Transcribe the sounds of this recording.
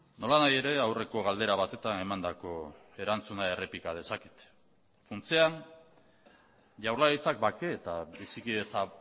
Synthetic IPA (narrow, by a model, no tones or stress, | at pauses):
no̞lanaje̞ɾe̞awre̞ko̞ɣ̞ald̪e̞ɾaβat̪e̞t̪ane̞mand̪ako̞ | e̞ɾant͡sunae̞repikað̞e̞saki̥t̪ | funt͡sean | ʝawrlaɾit͡sak̚bake̞ːt̪abisikiet͡sa